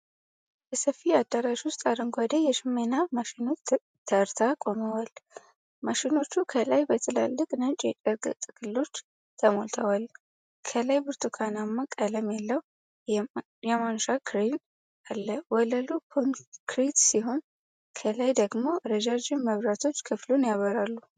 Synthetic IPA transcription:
bəsəfːiad̪ːaɾaʃwʊst̪ʼaɾɨŋɡʷad̪əjɛʃɪmenamaʃɪno̞t͡ʃ | t̪ʰːəɾt̪ʰakʼo̞məwal | maʃino̞t͡ʃːukʰəlajbət̪ʰɨla̰lːɨkʼnɨnt͡ʃʼjɛt͡ʃʼəɾɡɨ̰t̪ʼɨɡ̥ɨlːo̞t͡ʃː | t̪ʰəmo̞lt̪ʰəwal | kʰəlajbɨɾt̪ʰukʰanamːakʼələmjalːəw | jɛmanʃakʰɾin | alːəwɔləlukʰonkʰɾit̪siɦo̞n | kʰəlajd̪əɡmo̞ɾəd͡ʒad͡ʒɪnməβɾat̪ʰo̞t͡ʃːkʰɨflunjaβəɾalːu

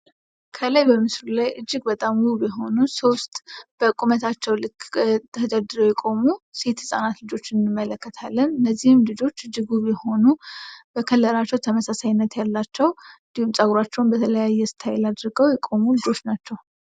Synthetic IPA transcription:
kʰəlajbəmɨslulajɨd͡ʒːɪɡbət̪ʼamwuβjɛɦo̞nusost̪ʼb̥əkʼumət̪ʰat͡ʃːɛwlɨkt̪ʰəd̪əd̪ɨɾəwjɛkʼo̞muse̞t̪hɨsʼa̰nat̪lɨd͡ʒo̞t͡ʃːɪnɨnɨmːələkːət̪ʰalːənɨnːəzːihɨmlɨd͡ʒo̞t͡ʃːɨd͡ʒːɨɡuβjɛho̞nub̥əkʰəlːəɾat͡ʃːɛwt̪ʰəməsasajnːət̪jalːat͡ʃːɛwnd̪ihumsʼaɡɾat͡ʃːɛwnbət̪ʰələjajːɛsɨ̥t̪ʰajɪlad̪ɾɨɡəwjɛkʼo̞mulɨd͡ʒo̞t͡ʃːnat͡ʃːɛw

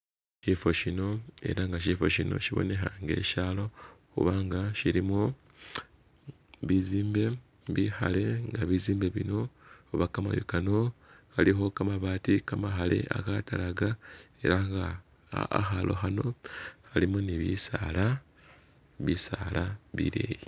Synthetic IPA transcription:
ʃifo̞ʃino̞e̞̰ɾaŋɡaʃifo̞ʃino̰ʃiβo̞̰ne̞xaŋɡe̞̰ʃaːlo̞xṵβaːŋɡaʃiɾimo | βiziːmbe̞ | βixa̰le̞ŋɡaβiziːmbe̞βino̞oβakama̰jo̰kanoxalixo̞kamaβaːtikamaxale̞̰ʔa̰katalaɡae̞ɾaŋɡa | a̰xalo̞̰xano̞xalimoniβisala | βisaːlaβḭɾḛːji

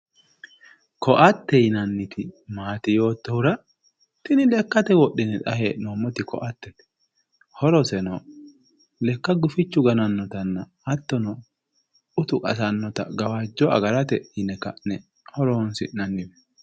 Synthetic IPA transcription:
kʰɔʔɐt̪ːɛjnɐnːɪt̪ʰɪmaːt̪ɪjo̞ːt̪ːɔhʊɾɐ | t̪ɪnɪlɛkːɐt̪ɛwɔɗːɪnɛᶑ̪ɐheːnoːmːɔt̪ɪkɔ̰ʔɐt̪ːɛt | hɔɾɔsɛnɔ | lɛkːɐɡʊfɪt͡ʃːʊɡɐnɐnːɔt̪ɐnːɐːt̪ːɔnɔ | ʊt̪ʊkʼɐ̰sɐnːɔt̪ɐ̰ɡɐwaːd͡ʒːɔɐ̰ɡɐɾɐt̪ɛɪnɛkɐ̰nɛ | hɔɾɔnsɪ̰nɐnːɪmɛ

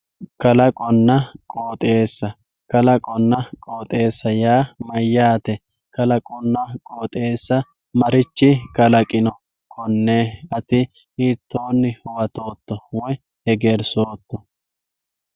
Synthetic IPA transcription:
kɐlɐkʼɔnːɐkʼoːt̪ʼe̞ːsːɐ | kɐlɐkʼɔnːɐkʼo̞ːt̪ʼe̞ːsːɐjaːmɐjːaːt̪ɛ | kɐlɐkʼɔnːɐkʼoːt̪ʼe̞ːsːɐ | mɐɾɪt͡ʃːɪkɐlɐkʼɪnɔ | kʰɔnːeːɐt̪ɪ | iːt̪ːoːnːɪhʊwɐt̪o̞ːt̪ːɔwɔj | hɛɡeːɾsoːt̪ːɔ

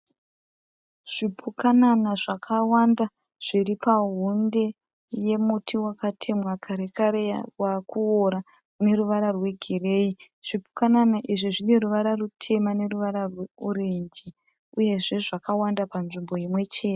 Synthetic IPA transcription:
ʐ̥ipʰukananaʐakʰawanda | ʐ̥iripaɦunde̞ | je̞mutʰiwakatʰe̞mwakʰaɾe̞kaɾewakuoɾa | ne̞ruʋaɾarwe̞ɡʱire̞i | ʐ̥ipu̥kananaʔiʐiʐine̞ruʋaɾarutʰe̞mane̞ruʋaɾarwe̞oɾeɲd͡ʒi | uje̞ʐe̞ʐakawandapanʐimbo̞jimwe̞t͡ʃe̞ːte

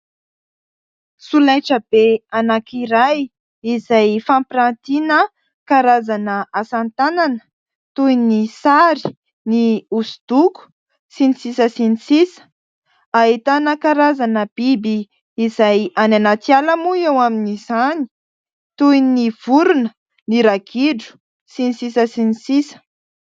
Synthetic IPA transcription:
sulajʈ͡ʂəb̥eanakiɾaj | izajfãmpɾant̪inə | kaɾazanəasant̪ananə̥ | t̪ujnisaɾi̥ | niusud̪̥uku̥ | sinisisəsinisisə̥ | aɦit̪anəkaɾazanəb̥ibiː | zajananat̪ialəmuewaminiz̥ani̥ | t̪ujniv̥uɾunə | niɾaɡʰiɖ͡ʐu̥ | sinisisəsinisisə̥

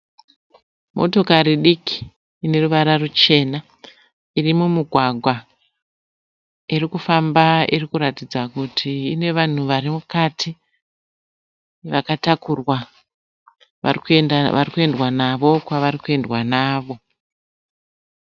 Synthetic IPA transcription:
mo̞̰to̞kaɾiɗikʰi̥ː | ne̞ruʋaɾarut͡ʃe̞na | irimumiɡʱwaɡʱwa | irikufambairikuɾatid͡zakutʰiːne̞ʋan̤uʋaɾimukatʰi | ʋakatakurwa | a̰rkaʋarikue̞ndwanaʋo̞kwaʋaɾikue̞ndwanaːʋo̞

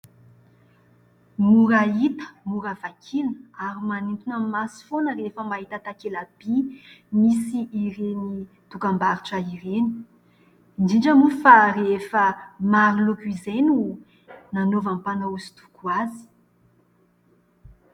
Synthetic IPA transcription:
muɾait̪ə̥muɾav̥akʰinəaɾimanint̪inəmasi̥fonəɾefəmaɦit̪at̪akelab̥i | misiʔːɾeni | t̪ukambaɾiʈ͡ʂəiɾeni̥ | indinɖ͡ʐəmufarefəmaɾilukwizenu | nanovampanauzi̥t̪u̥kuazi̥

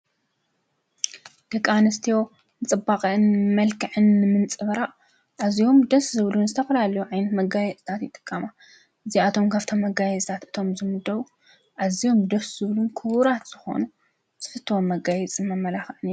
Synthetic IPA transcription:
d̪̥ɐkʼanɨst̪ʰijo̞ | nɨt͡sʼɨbaqʼɐɨnmɐlkʰɨʕɨnːɨmɨnt͡sʼɨβɐɾaʔ | ʔazijo̞md̪ɐszɨβlunzɨt̪ʰɐfɐlalɐjuʕajnɐt̪mɐɡajɛt͡sʼt̪ʰat̪jɪt̪ʼɨ̥kʼːɐma | ʔɨziat̪ʰo̞mkʰaβt̪ʰo̞mːɐɡajɛzʼt̪ʰat̪ɨt̪ʰo̞mzɨmɨd̪ːɐβu | ʔazijo̞md̪ɐsz̥ɨβlunkʰɨβuɾat̪z̥ɨxo̞̰nu | z̥ɨfɨt̪ʰːɨwonmɐɡajɛt͡sʼɨmɐmːɐlaxʕɨniɾ

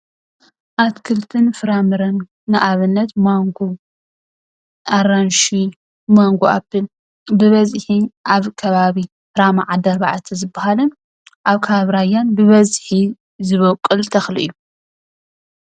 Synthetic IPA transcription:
ʔat̪kʰɨlt̪ʰɨnfɨɾamɨɾɐnː | ɨʔaβɨnːɐt̪maŋɡo | ʔaranʃi | maŋɡoa̰bɨl | bɨβɐzħiʔaβkʰɐβaβi | fɨɾamaʕad̪ɐɾbaʕt̪ʰizɨbːahalɐn | ʔaβkʰaaβɾajanbɨβɐzħi | zɨβɐkʼːɨlt̪ʰɐxlḭʔɨ̰jːu

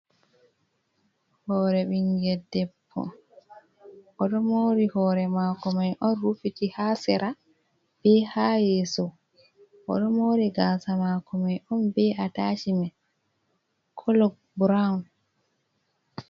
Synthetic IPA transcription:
hɔːɾɛɓiŋɡɛdɛpʰːɔ̰ | ʔɔɗɔmoɾihɔːɾɛmaːkɔmajʔɔnɾufitihasɛɾʔa | b̥ɛhaːjɛsɔ | ʔɔ̰ɗɔmoɾiɡaːsamaːkɔmajɔnbɛataːt͡ʃimɛ | kʰɔlɔɡ̚ | bɾan

